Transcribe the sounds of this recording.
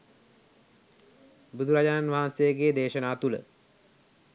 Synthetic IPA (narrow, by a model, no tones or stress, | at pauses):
bud̪ʱuɾad͡ʑananʋaɦansejəɡeːd̪eːʃənaːt̪ulə̰